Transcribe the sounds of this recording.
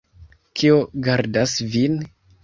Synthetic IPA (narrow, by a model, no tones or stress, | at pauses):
kʰioɡaɾdasvin